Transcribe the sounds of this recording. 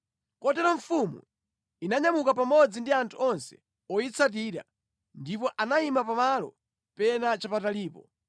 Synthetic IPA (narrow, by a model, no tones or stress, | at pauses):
kɔtɛɾɔɱfumṵ | inaɲamukapamɔd͡zindiantʰuɔnsɛ̥̰ | ɔit͡sʰat̬iːɾa̰ | ndipɔʔanaimapamalɔ̰ | pɛnat͡ʃapataliːpɔ